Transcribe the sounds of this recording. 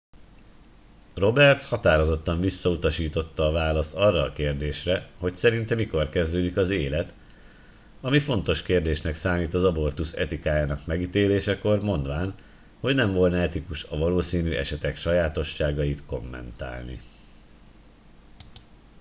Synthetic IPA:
ro̞bɛrt̪shɒt̪aːɾo̞zo̞t̪ːɒɱvisːɒut̪ɒʃiːt̪o̞t̪ːɒːvaːlɒst̪ɒrːɒːkeːrd̪eːʃrɛho̞csɛɾint̪ɛmiko̞rkɛzd̪øːd̪ikɒzeːlɛt̪ | ɒmifo̞nt̪o̞ʃkeːrd̪eːʃnɛksaːmiːt̪ɒzɒbo̞rt̪usɛ̰t̪ikaːjaːnɒkmɛɡit̪eːleːʃɛko̞rmo̞nd̪ʋaːn | ho̞ɟnɛɱvo̞lnɛɛt̪ikuʃɒvɒloːsiːnyːʔɛ̰ʃɛt̪ɛkʃɒjaːt̪o̞ʃːaːɡɒjit̪ko̞mːɛ̰nt̪a̰ːlnḭ

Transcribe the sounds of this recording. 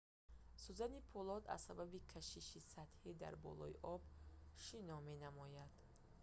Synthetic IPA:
suzanipʰɔlɔd̪a̰zsababikʰaʃiʃisat̪hid̪a̰ɾbɔ̰lɔḭʔɔbʃinɔme̞namɔjad̪̥

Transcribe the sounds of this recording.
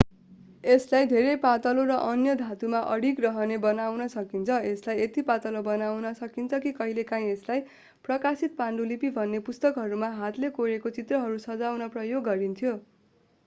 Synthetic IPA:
eslajd̪ʱeɾejpat̪ʌloɾʌʔʌnjʌd̪ʱat̪umaʔʌɽikrʌɦʌnebʌnawnʌsʌkint͡sʰʌeslajet̪ipat̪ʌlobʌnawnʌsʌkint͡sʰʌkikʌɦilekãĩeslaj | prʌkasit̪̚paɳɖulipibʱʌnːepust̪ʌkɦʌɾumaɦat̪lekoɾekot͡sit̪rʌɦʌɾusʌd͡zawnʌprʌjoɡːʌɾint̪ʰjo

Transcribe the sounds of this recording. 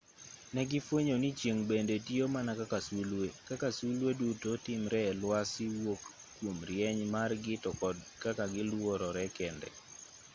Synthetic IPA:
nɛɡɪfwoɲonit͡ʃjeŋbendetiomanakakasulwekakasulwedutotɪmɾɛlwasɪwokː | womɾjɛɲmarɡɪtɔkɔd | kakaɡɪlwɔɾɔɾɛkɛndɛ̰

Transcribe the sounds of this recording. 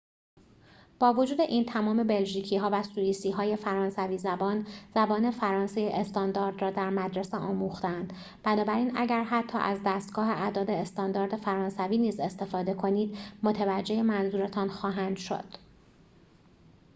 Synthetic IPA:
b̥ɒːvo̞d͡ʒuːd̪e̞ʔiːnt̪ʰæmɒːme̞be̞lʒiːcʰiːɦɒːvæsuːjiːsiːɦɒːje̞fæɾɒːnsæviːzæbɒːnz̥æbɒːne̞fæɾɒːnsejeʔest̪ɒːnd̪ɒːɾd̪rɒːd̪æɾmæd̪ɾeseʔɒːmuːxt̪eænd̪ | b̥ænɒːbæɾiːnæɟæɾɦæt̪ʰːɒ̰ːʔæzd̪æːst̪ɡ̥ɒːɦe̞ʔæd̪ɒːd̪e̞ːst̪ɒnd̪ɒːɾd̪e̞fæɾɒːnsæviːniːze̞st̪e̞fɒːd̪e̞kʰo̞niːd̪mo̞t̪ʰevæd͡ʒːe̞jemænzuːɾe̞t̪ʰɒːnxɒːɦæːnd̪̥ʃo̞̰d̪̥

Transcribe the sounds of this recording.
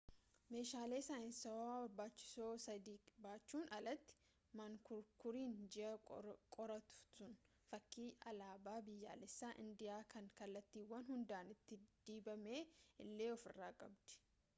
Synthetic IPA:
me̞ːʃaːle̞ːsaːɪnsɐwaːwɐɾbaːt͡ʃːɪ̥so̞ːsɐd̪iːbaːt͡ʃːuːnɐlɐt̪ːɪ̥ | maŋkʊɾkʊɾiːnd͡ʒɪɐkʼɔɾɐt̪ʊ̥sʊn | fɐkːiːʔɐ̰laːbaːbɪjːa̰ːlɪsːaːʔɪ̰nd̪ɪjaːkɐŋkɐlːɐt̪ːiːwːɐnhʊnd̪aːnɪt̪ːɪd̪̥iːbɐme̞ːɪlːe̞ːɔfɪ̰rːaːkʼɐbd̪ɛ̥

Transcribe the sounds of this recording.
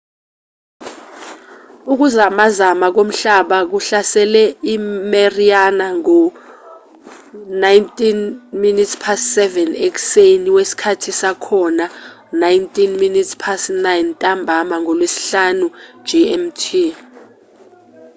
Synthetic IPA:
uk̬uzamazamak̬om̩ɬaɓak̬uɬasɛlɛimerianaŋɔ | najntʼinminitspʰassɛvɛnek̬u̥seniwesi̥kʰatʰisakʰɔna | najntʼinminitʰspʰasnajntʼambʱamaŋɔlwesi̥ɬanu̥d͡ʒiɛmtʰi

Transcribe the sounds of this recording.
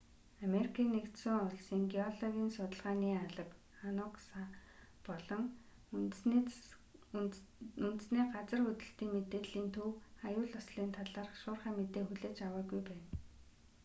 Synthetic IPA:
ameɾikʰiːnːekt̪sʊŋʊɮsiːŋɡeɔɮɔɣʲiːnsʊt̪ə̆ɮʁaːniːaɮə̆k | anʊksapɔɮɞ̆ŋ | unt̪ɘ̆sniːɢat͡sə̆rɵt̪ɘ̆ɬt̪iːŋmet̪eːɮiːnt̪ʰuwajʊːɮʊsɮiːnt̪ʰaɮaːrχʃʊːrχaːmet̪eːxuɮeːt͡ɕawaːɡujpæːn

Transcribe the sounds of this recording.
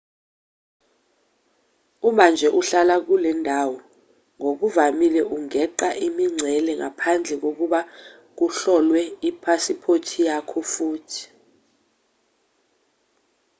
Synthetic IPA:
umand͡ʒʱɛʔuɬalak̬ulɛndʱawɔ | ŋok̬uvamilɛʔuŋɛǃaʔimiŋ͡ǀʱɛlɛŋa̰pʰand͡ɮʱɛk̬ok̬uɓa | k̬uɬɔlwɛipʰasipʰotʰijakʰɔfuːtʰi̥

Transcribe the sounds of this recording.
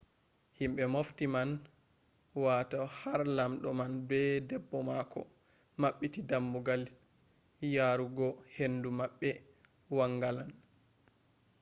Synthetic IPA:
himɓɛmoftiman | watahaɾlamɗɔmanbɛdɛbːɔmakɔ̰ | maɓːitidamːuɡal | jaːɾuɡɔhendumaɓːɛ | waŋːɡalan

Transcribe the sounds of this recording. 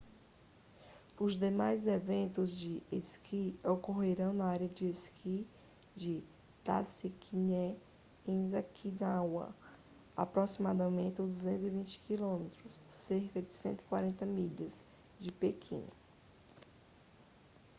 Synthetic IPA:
ʊzd̪emajzevẽnt̪ʊzd͡ʒɪeskʰiokoɦeɾɐ̃w̃nɐaɾjɐd͡ʒɪeskʰi | d͡ʒɪ | t̪a̰sikʰiɲɛ | ẽzakʰinawɐ̰ | a̰pɾosimad̪ɐmẽnt̪ɪũd̪uzẽnt̪ʊzivĩt͡ʃɪ̥kilõmet̪ɾʊsːeɾkɐd͡ʒɪsẽnt̪wi̥kwaɾẽnt̪ɐmiʎɐz | d͡ʒɪpekʰḭ̃n

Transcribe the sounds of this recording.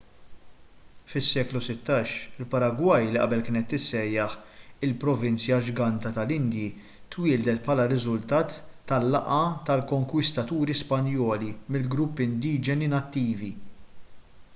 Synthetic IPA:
fɪsːɛːklusɪt̪ːɐːʃɪlpɐɾɐɡwɐjliʔɐ̰bɛlkɪːnɛt̪ːɪsːɛjːɐħɪlpɾɔvɪnt͡sjɐd͡ʒɡɐnt̪ɐt̪ɐlɪnd̪ji | t̪wɪːld̪ɛt̪pħɐlɐɾɪzʊlt̪ɐːt̪ːɐlːɐʔɐt̪ɐlkɔŋkwɪst̪ɐt̪uːɾispɐnjɔːlimɪlɡɾʊpːɪnd̪iːd͡ʒɛninɐt̪ːiːvi

